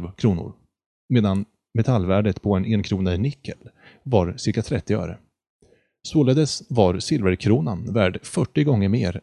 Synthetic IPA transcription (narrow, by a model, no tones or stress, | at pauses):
vkʰɾuːnʊ̰ɾ | meːd̪an | mɛt̪ʰalːvæːɖət̪pʰɔɛnɛnkʰɾuːnanɪkʰːəl | vaɾsɪɾkat̪ʰɾɛt̪ːɪœ̰ːɾə̰ | soːləd̪ɛsvaɾsɪlvəɾkʰɾuːnanvæːɖfœʈːɪɡɔŋːəɾmeːɾ